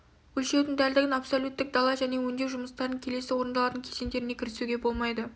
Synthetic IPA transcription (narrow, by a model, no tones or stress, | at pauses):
ɵlʃe̞d̪ɪŋd̪æld̪ɪɡʲɪnapsolʲut̪ːɪk̚d̪ɑlˠɑʒæne̞wɵnd̪e̞wʒʊməst̪ɑɾd̪əɴkʲʰe̞le̞sɪwo̞ɾənd̪ɑlˠɑɾt̪əŋkʲʰesend̪e̞ɾɪne̞kʲʰɪɾɪsuɡʲe̞bo̞lˠmɑjd̪ə